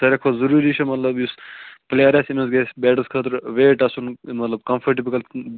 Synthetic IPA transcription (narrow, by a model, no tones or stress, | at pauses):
t̪ɐɾɐkʰozɐɾuːɾiʃʰɐmɐt̪lɐbjuspleɾɐsinusɡesʲbeːʈɐskʰɐt̪ɾʋeːʈɐsunmɐt̪lɐb̚kɐmfʰɐɾʈibikɐl